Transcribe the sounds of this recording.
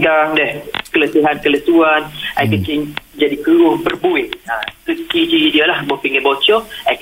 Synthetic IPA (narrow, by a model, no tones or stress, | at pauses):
kaɾaŋdɛhkələseɦankələsuanajkəkɪŋd͡ʒadikəɾʊŋpərbuɪt̪̚akəkid͡ʒidialahbɔhpiŋəbot͡ʃɔajk